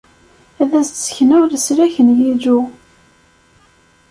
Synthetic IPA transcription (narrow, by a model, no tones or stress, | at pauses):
æðæst͡sːə̥çnʊðəsɾæçənjid͡ʒu